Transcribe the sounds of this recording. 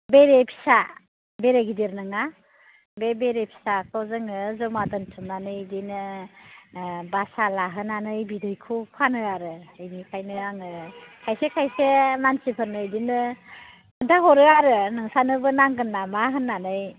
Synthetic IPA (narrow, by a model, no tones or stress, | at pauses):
beɾepʰi̥sa | beɾeɡideɾnɯŋa | bebeɾepʰi̥sakʰɔwzɯŋɯzɔmadɯntʰɯmnanɯjdinɯ | basalaɦɯnanɯjbidɯjkʰupʰanɯaɾɯɯjnikʰajnɯaŋɯkʰajsekʰajsemansipʰɯnːɯjdinɯ | kʰɯntʰaɦɔɾɯaɾɯnɯŋsanɯbɯnaŋɡɯnːamaɦɯnːanɯj